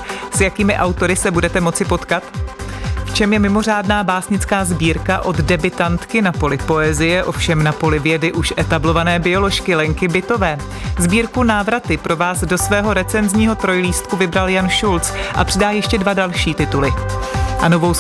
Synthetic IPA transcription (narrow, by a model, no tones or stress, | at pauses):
sjakiːmɪʔawt̪o̞ɾɪsɛbudɛt̪ɛmo̞t͡sɪpo̞t̪kat̪ | ft͡ʃɛmjɛmɪmo̞r̝aːdnaːbaːsɲɪt͡skaːzbiːɾkaʔo̞d̪dɛbɪt̪ant̪kɪnapo̞lɪpo̞ɛzɪjɛʔo̞fʃɛmnapo̞lɪvjɛdɪʔuʃʔɛt̪ablo̞vanɛːbɪo̞lo̞ʃkɪlɛŋkɪbɪt̪o̞vɛː | zbiːɾkunaːvɾat̪ɪpɾʔo̞vaːsdo̞svɛːɦo̞ɾɛt͡sɛnzɲiːɦo̞t̪ɾo̞jliːst̪̚kuvɪbɾaljanʃult͡sʔa̰pr̥ɪdaːjɛʃcɛdvadalʃiːt̪ɪt̪ulɪʔanovow